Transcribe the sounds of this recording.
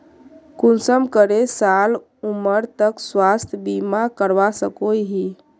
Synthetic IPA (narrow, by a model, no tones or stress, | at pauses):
kunsəmkəɾesal | uməɾt̪əkswast̪ʰjəbimakəɾʋasəkojɦi